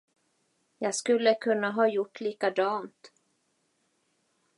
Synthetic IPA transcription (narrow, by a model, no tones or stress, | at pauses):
jɑːɡskɵlːəkʰɵnːaɦɑːjʊʈːliːkad̪ɑːnt̪